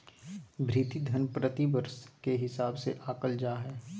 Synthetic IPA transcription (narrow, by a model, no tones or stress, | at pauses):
bʱɾiːt̪id̪ʱənpɾət̪ibəɾskeɦɪsaːbseʔaːkəld͡ʒaːɦɛː